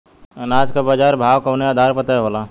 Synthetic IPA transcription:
naːd͡ʒkabad͡ʒaːɾbʱaːʋkɐwneaːd̪ʱaːɾpət̪aɦoːlaː

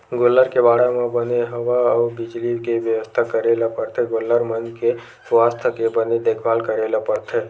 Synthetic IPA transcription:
ɡolːəɾkebaːɽamẽbəneɦəʋaəubɪd͡ʒlikeʋjəʋəst̪ʰakəɾelapəɾt̪ʰeɡolːəɾmənd͡ʒke | swaːst̪ʰəkebəned̪ekʰbaːlkəɾelapəɾt̪ʰe

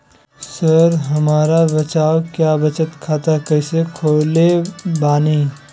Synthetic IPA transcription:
səɾɦɐmaːɾabɐt͡ʃaːokjaːbɐt͡ʃət̪kʰaːt̪akɐɪsekʰoːlebaːni

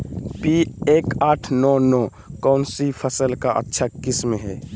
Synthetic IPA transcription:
pieːkaːʈʰnɔːnɔː | kɔːnsipʰəsəlkaʔə̰tːʃʰakɪsmeɦɛː

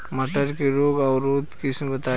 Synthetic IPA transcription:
məʈəɾkeɾoɡaʊɾod̪kisʰebət̪a

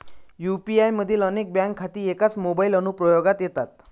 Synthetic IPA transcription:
jupiajməd̪ʱːiːlənek̚bjãŋkʰːat̪iːekat͡smobailənupɾɔjoɡat̪jet̪at̪̚

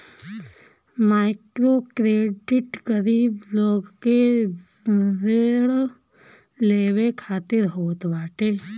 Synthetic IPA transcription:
maːɪkɾokɾeːɖɪʈɡəɾiːbloːɡke | deːɽ | leːʋekʰaːt̪ɪɾɦoːt̪baːʈe

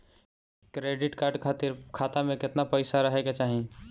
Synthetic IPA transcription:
kɾeːɖɪʈkaːɾɖkʰaːt̪ɪɾkʰaːt̪amẽkɪt̪napəɪsaɾəɦeket͡ʃaːɦĩ

